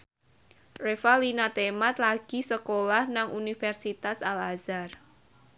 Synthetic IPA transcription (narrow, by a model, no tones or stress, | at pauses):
refalinat̪emat̪laɡ̥i̤səkolahnaŋʔunifɛrsit̪asalazar